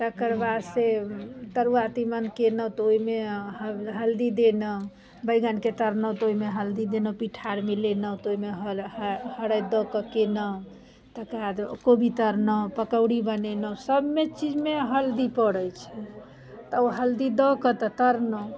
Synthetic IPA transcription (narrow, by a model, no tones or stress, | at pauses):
t̪əkəɾbad̪set̪əɾuat̪imənkenət̪ɔoime | ɦəld̪id̪enə | bəɡənket̪əɾnət̪oimeɦəld̪id̪enəpiʈʰaɾmelenət̪oimeɦhəɽəjd̪ɔkəkenə | t̪əkad̪kobʱit̪əɾnəpəkəʊɽibənenəsəbmet͡ʃid͡ʒmeɦəld̪ipəɽəjt͡ʃʰɛ | t̪əoɦəld̪id̪ɔkət̪ət̪əɾnə